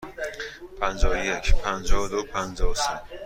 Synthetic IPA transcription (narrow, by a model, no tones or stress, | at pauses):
pʰænd͡ʒɒːojecʰpʰænd͡ʒɒːod̪opʰænd͡ʒɒːose